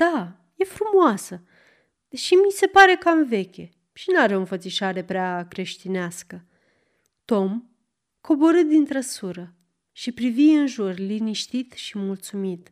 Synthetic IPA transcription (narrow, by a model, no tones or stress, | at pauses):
d̪̥a | je̞fɾumoasə | d̪̥eʃimise̞paɾe̞kamve̞kʲe̞ | ʃinaɾeonfət̪siʃaɾe̞pɾeakɾe̞ʃt̪ineaskə | t̪o̞m | kʰo̞bo̞ɾɨt̪̚d̪int̪ɾəsuɾə | ʃipɾiviɨnʒurliniʃt̪it̪ʃimult̪sumit̪